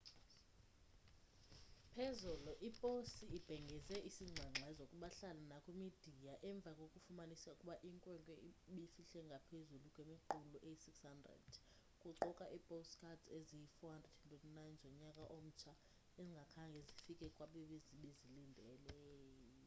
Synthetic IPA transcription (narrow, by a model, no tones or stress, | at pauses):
pʰezuluʔipʼosiib̥ʱɛŋɡʱɛzɛʔisiŋ͡ǀʱaŋ͡ǁʱaɛzokʼuɓaɬalanakʼwemid̥ʱijaʔɛɱb̪vʱakʼokʼufumanisaukʼuɓaʔiŋkʼwɛŋkʼɛiɓifiɬɛŋɡʱapʰezulukʼwemiǃuluʔejisikshandrɛ̰d̥ | kʼuǀɔkʼaʔipʼostkʰʼatezijifɔɦandrɛd̥andɛdnajnd͡ʒʱɔɲakʼaʔom̩t͡ʃʰa | eziŋɡʱakʰaŋɡʱɛzifikʼɛkʼwaɓiɓeziɓezilindʱɛlɛːjjɔ